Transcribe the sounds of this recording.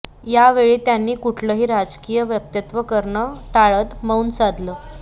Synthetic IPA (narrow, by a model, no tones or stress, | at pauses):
jaʋeɭiːt̪janːiːkuʈʰləːɦiːɾad͡zkijəʋjək̚t̪jət̪ʋəkəɾɳəʈaɭət̪məunt͡sad̪ʱlə